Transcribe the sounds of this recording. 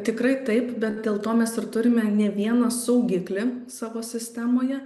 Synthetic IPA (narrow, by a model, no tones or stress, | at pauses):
t̪ʲɪkɾɐɪt̪ɐɪpbʲɛt̪̚d̪ʲeːlˠt̪oːmʲɛsɪrt̪ʊɾʲɪmʲɛnʲɛʋʲiɛnɐsɐʊɡʲɪklʲɪsɑːʋoːsʲɪsʲt̪ʲæmoːjɛ